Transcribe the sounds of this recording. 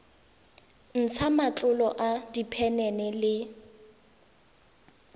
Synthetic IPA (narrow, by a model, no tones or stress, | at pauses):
n̩t͡sʰamat͡ɬʼʊlɔʔadipʰɛnɛnɛlɪ